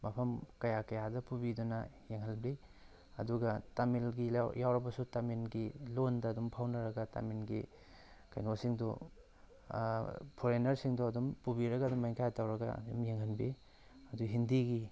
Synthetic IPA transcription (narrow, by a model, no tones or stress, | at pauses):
mɐpʰɐmkɐjakɐjadɐpubidunɐjeŋhɐlbi | ɐ̰duɡɐtamilɡijawɾɐbɐsutaminɡilondɐːdumpʰawnɐɾɐɡɐta̰minɡḭ | kɐjnosiŋdṵ | pʰoɾenɐɾsiŋduɐdumpubiɾɐɡɐɐdumːajŋkʰajtawɾɐɡɐ̰dṵmjeŋɦɐnbi | ɐduɦindiɡi